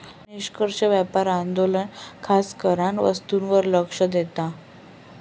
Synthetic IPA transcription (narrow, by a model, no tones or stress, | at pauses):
niɕkəɾʂəʋjapaɾand̪olənkʰaskəɾaɳʋə̰st̪unʋəɾləkʂəd̪et̪a